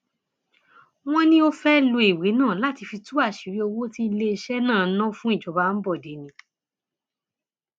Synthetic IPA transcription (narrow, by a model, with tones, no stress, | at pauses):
w̃ɔ̃˦nĩ˦o˧fɛ˦lo˧i˨we˨˦nãː˦˨la˦ti˧fi˧tu˦a˦˨ʃi˨˦ɾi˦o˧wo˦ti˦˧le˧i˧ʃɛ˦nãː˦˨˦nã˦fũ˦i˦˨d͡ʒɔ˨˦ba˧˦n̩˦bɔ˦˨de˨˦nĩ˧˦